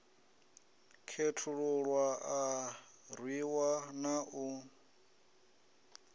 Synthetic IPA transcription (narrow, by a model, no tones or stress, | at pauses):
kʰetʰuɺuɺwaa | rwiwanaʔu